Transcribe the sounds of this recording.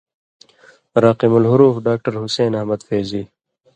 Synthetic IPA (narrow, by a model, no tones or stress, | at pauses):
ɾaːqimulɦuɾuːfɖaːk̚ʈɐɾɦʊseːnɐhmɐd̪feːziː